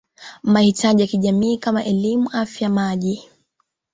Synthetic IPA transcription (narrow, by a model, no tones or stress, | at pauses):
mahitʰaʄijakiʄamiːkamaʔɛlimuʔafjamaʄi